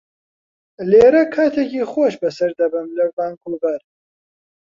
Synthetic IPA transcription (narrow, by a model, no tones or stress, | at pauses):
leːɾɐkʰaːt̪ʰeːciːxoʃbɐsɐɾd̪ɐbɨnlɐɾd̪aːnkʰubɐɾ